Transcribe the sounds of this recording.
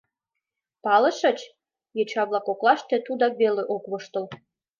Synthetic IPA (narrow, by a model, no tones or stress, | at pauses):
pɑlə̆ʃə̆t͡ɕ | jet͡ɕɑβlɑkoklɑʃt̪et̪ud̪ɑk̚βeleʔokβoʃt̪əl